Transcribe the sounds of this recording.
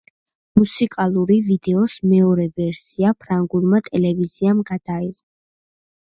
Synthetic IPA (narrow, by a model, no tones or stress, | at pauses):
musikʼalˠuɾivid̪ɛɔsmɛɔɾɛvɛɾsiapʰɾaŋɡulˠmat̪ʼɛlɛviziamɡad̪̥aiz